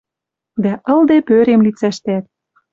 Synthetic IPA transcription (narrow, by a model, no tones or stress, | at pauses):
d̪æʔɤ̆ld̪epøɾemlit͡sæʃt̪æt̪̚